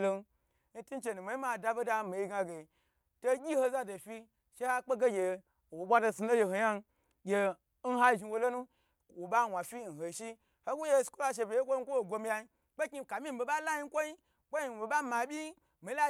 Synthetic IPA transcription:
lo˦ | n̩˦ti˦n˦t͡ʃe˨nu˨me˨˦i˦ma˨da˧be˦da˧mi˨i˦ɡa˧ɡe˨ | to˦ɡʲi˦ho˧za˦do˨fi˧ | ʃe˦ha˦k͡pe˦ɡe˦ɡʲe˨ | wo˨ɓʷa˦do˧su˧lo˦je˧ho˨ja˦n˦ | ɡʲe˧˦ | n̩˦ɦa˦ʒi˧wo˧lo˦nu˦ | wo˨ɓa˦˨wʷa˨fi˦˨n̩˨ho˨ʃi˦ | ho˦ɡu˦je˦˨skʷo˦la˨ʃ̬e˧bʲe˨je˦kʷo˦kʷo˦o˨ɡʷo˧m˦ja˧i˦ | k͡pe˦kʲi˧˨ka˨mi˦m̩˦be˨ɓa˦la˦ji˦kʷo˦ji˦ | k͡po˦ji˨be˨ɓa˦ma˨bʲi˦ | mi˨˦a˦

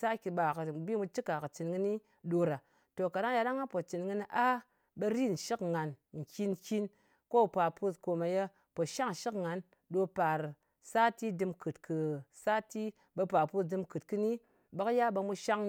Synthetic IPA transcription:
sa˦kʲi˧ɓa˨kɨ˨bi˦mu˧t͡ʃi˦ka˨kɨ˨t͡ʃɨ˨nɡɨ˧ni˦ | ɗo˧ɾa˨ | to˨ka˨ɗa˦ja˧ɗa˦ŋa˦po˨t͡ʃɨ˨nŋɨ˧n˧ʔa˦ | be˧ɾi˦˨n̩˨ʃi˦kŋa˨nŋ̩˨kʲi˧n˨kʲi˦n | ko˦˨pa˨pu˦sko˨ma˨je˧ | po˨ʃa˦ŋ̩˨ʃi˦kŋa˨˦n | ɗo˧pa˨ɾ | sa˦ti˦dɨ˧mkɨ˨tkʰɨ˨sa˦ti˦ | ɓe˧pa˨pu˦sdɨ˧mkɨ˨tkɨ˧ni˦ | ba˦kja˦ɓa˧mu˧ʃa˦ŋ

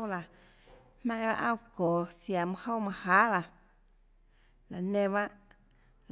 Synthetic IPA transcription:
wla˨ | hmɛ̃˧ʔba̰˦ʔã˦˨wkɔː˨sja˨mɨ̃˦ho˦wmã˧haː˨˦la˨ | la˨nẽ˧βa˦ʔ | l

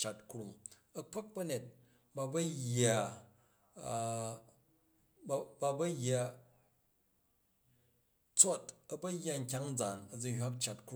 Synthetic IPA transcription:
t͡ʃa˨tku˦ɾu˨m | ɐ˦k͡pɐ˦k̚bɐ˦ne˨t̚ | ba˨˧bɐ˦ja˨ | ba˧bɐ˦jːa˨ | t͡so˦tɐ˨bɐ˦jːa˧ŋ̩˨k̬ʲa˦ŋ̩˦d͡za˨nɐ˨d͡zu˦hʲʷa˦p̚t͡ʃa˨tk

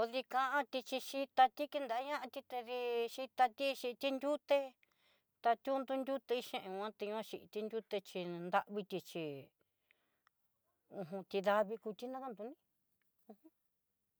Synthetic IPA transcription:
o˧ði˧kã˧ʔã˦t̪i˧t͡ʃi˧ʃi˦t̪a˧t̪i˦ki˧nd̪a˨˦ɲã˦ʔã˧t̪i˧t̪e˧ði˧ʃi˧t̪a˧t̪i˦ʃi˧t̪i˦nd̪ʲu˦t̪e˧ | t̪a˧t̪ʲu˦nd̪u˧nd̪ʲu˦t̪e˧i˦ʃẽ˦˧ʔẽ˧ã˦t̪e˧ã˦˧ʃi˧ʔt̪i˧nd̪ʲu˦t̪e˧t͡ʃi˧nd̪a˧ʔβi˧t̪ʲi˧t͡ʃi˧ | ũ˧ɦũ˧t̪ʲi˧ða˧βi˧ku˧t̪i˦nã˦ka˦˧nd̪u˧nĩ˦ | ũ˧hũ˦

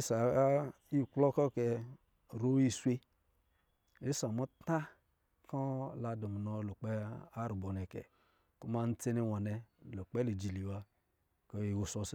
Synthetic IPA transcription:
e˦sa˨a˦ | i˦˨klɔ˦kɔ˦˨kɛ˧˨ | ɾo˦i˦˧swe˦ | e˨˦sa˨mɔ˦ta˦ | kɔ˦la˧do˨mu˨nɔ˧˨lo˨k͡pɛ˦a˦ɾu˨bɔ˨nɛ˨kɛ̰˨ | ku˦ma˦n̩˦t͡se˦ne˧wa˨nɛ˧lo˨k͡pɛ˦li˨d͡ʒi˨li˨wa˧ | kɔ˧˦i˨wo˨sɔ˧s

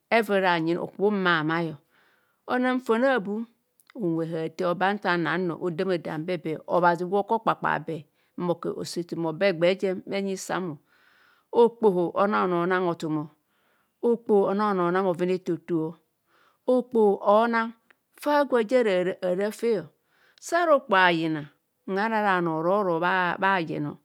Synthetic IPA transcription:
e˦ve˨ɾa˨ɲi˨no̰˨kbo˦ma˨ma˦jo˨ | o˦na˦m̩˦fo˨na˦˨bu˦ | o˨wʷe˨ɦa˨te˦o˨ba˦n˦ta˨na˨˦no̰˨ʔo˨de˦me˨da̰˨m˦be˦be˨o̰˨βa˨zi˨ɡko˦k͡pa˨k͡pa̰˨be˨˦ | mo˨kḛ˨ʔo̰˨se˨ti˨mo˨be˦ɡ͡be˨˦d͡ʒe˦e˦ɲi˦sa̰˦mo˨ | o˦k͡po˨ɦo˨ʔo̰˦na˦˨no˨˦na˦ŋo˨tu˨mo˨ | o˦k͡po˨o˨na˦˨no˨na˦mo˨vi˦ne˦to˨tu˨o˦ | o˦k͡po˨ʔo˦na˦ŋ | fa˦ɡʷe˨d͡ʒe˦ɾa˨ɾa˦fe˦o˨ | sa˦ɾo˦k͡po˨a˨ji˨na˨ | ŋa˦ɾa˦ɾa˨no˨ɾo˦ɾo˨βba˦˨jḛ˨no̰˨

